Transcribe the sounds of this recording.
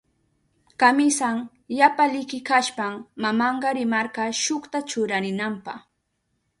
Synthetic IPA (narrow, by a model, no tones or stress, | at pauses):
kamɪsaŋ | ʎapalɪkɪkaʃpamːamɑɴɢɑɾɪmɑɾɢɑʃʊχt̪at͡ʃʊɾaɾɪnampɑχ